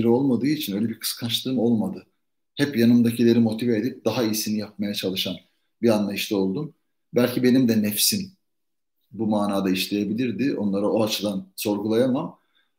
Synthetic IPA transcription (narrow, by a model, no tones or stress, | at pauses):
ɾio̞lˠmad̪ɯːit͡ʃʰinø̞jlʲebiɾkʰɯ̥skʰant͡ʃlˠɯːmo̞lˠmad̪ɯ | hɛpjanɯmd̪acʰilʲe̞ɾimo̞t̪ʰiveːd̪ip̚d̪aɦaijsinijap̚majat͡ʃʰalˠɯʃan | bianlˠajɯʃt̪ɛo̞lˠd̪um | bælʲcibe̞nimd̪ɛnɛfsin | bumaːnaːd̪aiʃlʲe̞je̞bilʲiɾd̪ɪʔo̞̰nlˠaɾao̞at͡ʃʰɯd̪anso̞ɾɡulˠajamam